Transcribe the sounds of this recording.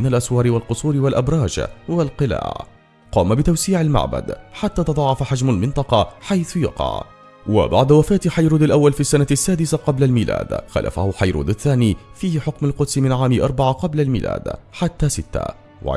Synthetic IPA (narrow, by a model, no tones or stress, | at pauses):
ɪnalʔaswɑːɾɪwalqʊsˤuːɾɪwalʔabɾˤɑːd͡ʒwalqɨla̰ːʕ | qɑːmabɪt̪awsiːʕalma̰ʕba̰d̪ħat̪ːaːt̪ɑd̪ˤɑʕːɑfaħad͡ʒmalmɪnt̪ˤɑqɑħajθʊjɑ̰qɑ̰ʕ | wa̰ba̰ʕd̪awafaːt̪ħajɾuːd̪alʔawːalfiːsːanasːaːd̪ɪsaqɑblalmiːlʔa̰ːd̪xa̰lʔa̰fa̰hʊħajɾṵːd̪aθːaːniːfiːhħʊkmalqʊd̪smɪnʕaːmɪʔɑɾˤbaʕaqɑblalmḭːlʔa̰ːd̪ħat̪ːaːsɪt̪ːa̰ | wa̰ʕ